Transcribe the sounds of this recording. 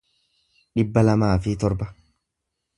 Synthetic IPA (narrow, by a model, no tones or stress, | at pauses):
ᶑɪbːɐlɐmaːfɪt̪ɔɾbɐ